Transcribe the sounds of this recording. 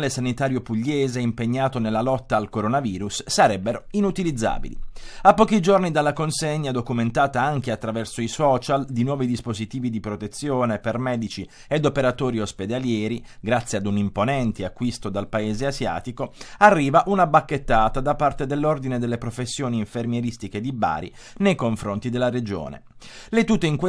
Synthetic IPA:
lesanit̪aːɾjopuʎːeːzeimpeɲːaːt̪onelːalɔt̪ːaːlkoɾonaviːɾusːaɾɛbːeɾoinut̪ilid̪zːa̰ːbḭlḭapːɔːk̟id͡ʒornid̪alːakonseɲːad̪okument̪aːt̪aaŋkeat̪ːɾavɛrsoisɔːt͡ʃald̪inwɔːvid̪ispozit̪iːvid̪ipɾot̪et̪sːjoːnepermɛːd̪it͡ʃi | ed̪opeɾat̪oːɾiosped̪aljɛːɾiɡɾat̪sːjead̪unimponɛnt̪eakːwist̪od̪alpaeːzeazja̰ːt̪ikoarːiːvaʔunabakːet̪ːaːt̪ad̪apːart̪ed̪elːord̪ined̪elːepɾofesːjoːniːɱfermjeɾist̪iked̪iba̰ːɾḭ | nejkoɱfɾont̪id̪elːaɾed͡ʒo̰ːnḛ | let̪ut̪ːeiŋk

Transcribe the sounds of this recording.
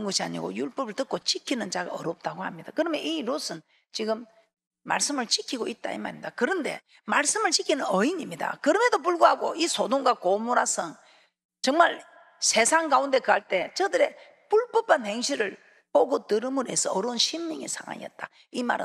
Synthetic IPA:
nɡʌɕʰia̰ɲḭɡo̰juɭp͈ʌbɯɭtɯk͈̚ot͡ɕikʰinɯnt͡ɕaɡa̰ʌɾop̚t͈aɡohamɲid̥akɯɾʌmeʔiɾosʰɯn | t͡ɕiɡɯmː | a̰ɭs͈ɯmɯɭt͡ɕikʰiɡoit̚t͈a̰ḭma̰ɾimd̥̪akɯɾʌnde̞̰ | maɭs͈ɯmɯɭt͡ɕikʰinɯnʌiɲimɲida̰kɯɾʌme̞dop̬uɭɡoɦaɡoisʰodoŋɡakomoɾasʰɯŋ | t͡ɕʌŋmaɭ | sʰe̞sʰaŋɡaunde̞kɯaɭt͈e̞t͡ɕʌdɯɾe̞ | puɭp͈ʌpʰanheŋɕʰiɾɯɭ | poɡotɯɾɯmɯɾoesʰʌːɾounɕʰimːiŋesʰaŋa̰ɲḭʌ̰t̚t͈a | ima̰ɾɯ̰

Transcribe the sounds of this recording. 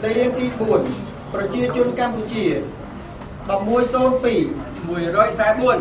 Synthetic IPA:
ɗəjɾiəŋt̪iːɓuən | prɑt͡ɕiət͡ɕʊ̆ənkamput͡ɕiə | ɗɑp̚muəjsoːnpiː | muəjrɔːjsaɛɓuən

